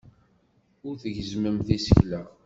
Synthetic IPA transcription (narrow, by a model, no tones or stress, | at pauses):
ʊɾθəʝəzməmθisə̥çlæʁ